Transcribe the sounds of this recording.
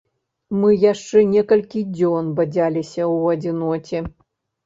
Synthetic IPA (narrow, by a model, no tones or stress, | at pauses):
mɨjaʂt͡ʂɛnʲɛkɐlʲkʲid͡zʲɔnbɐd͡zʲalʲisʲɐwɐd͡zʲinɔt͡sʲɛ